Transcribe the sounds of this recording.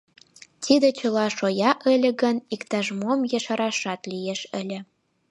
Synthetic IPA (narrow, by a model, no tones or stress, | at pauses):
t̪ʰid̪ĕt͡ɕə̆lɑʃojɑʔə̆lʲĕɣə̆nikt̪ɑʒmomjəʃɑɾɑʃɑt̪lijeʃə̆lʲĕ